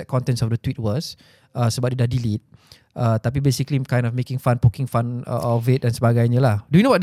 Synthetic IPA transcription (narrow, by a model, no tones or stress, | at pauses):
ɛt̚kɔ̃ntɛ̃nsɔfdət̪wit̚wɔs | ʔəsəbap̚didahdilit̚ | ʔət̪apibesiklikãj̃ndɔfmekɪ̃ŋfãnpukɪ̃ŋfãnə̰ʔɔvɪt̚ɛ̃nsəbaɡajɲəlahdujunowɔt̚